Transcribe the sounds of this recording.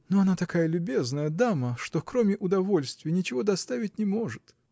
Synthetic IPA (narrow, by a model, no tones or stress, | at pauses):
noɐnat̪ɐkajəlʲʊbʲe̞znəjəd̪aməʂt̪okɾomʲɪʔʊd̪ɐvo̞lʲst̪vʲɪjənʲɪt͡ɕɪvo̞d̪ɐst̪avʲɪt̚ʲnʲɪmo̞ʐɨt̪